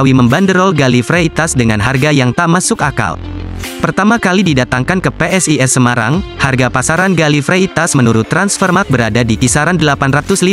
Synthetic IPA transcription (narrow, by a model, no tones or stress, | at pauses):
wiməmbandəɾɔlɡalifɾeit̪asdəŋa̰nɦarɡajaŋt̪aʔmasʊkaka̰lpərt̪amakalididat̪aŋkankəpeʔɛsiɛsːəmaɾa̰ŋharɡapasaɾanɡalifɾeit̪asmənuɾʊt̪ːɾansfərmak̚bəɾadadikisaɾandəlapanrat̪ʊsli